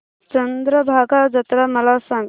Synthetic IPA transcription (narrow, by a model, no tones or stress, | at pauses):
t͡ʃənd̪ɾəbʱaɡad͡ʒət̪ɾaməlasãŋ